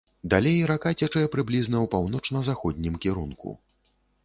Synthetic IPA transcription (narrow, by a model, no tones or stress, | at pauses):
d̪alʲejɾakat͡sʲɛt͡ʂɐjɛpɾɨblʲiznɐwpawnɔt͡ʂnɐzaxɔd̪ʲnʲimkʲɛɾunkṵ